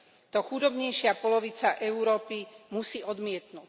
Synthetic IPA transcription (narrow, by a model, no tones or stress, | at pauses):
t̪ɔxud̪ɔbɲɛjʃɪapɔlɔʋit͡saʔɛuɾɔːpimusiːʔɔd̪mɪɛt̪nuːc